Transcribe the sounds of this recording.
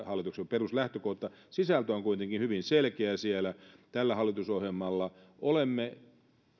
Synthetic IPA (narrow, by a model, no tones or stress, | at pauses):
hɑlːˑit̪uksemperuslæht̪økoht̪ːɑsisælt̪øoŋkuit̪eŋkinhyʋinselkeæsielæt̪ælːæhɑlːˑit̪usohjelmːɑlːɑ | ʔolemːe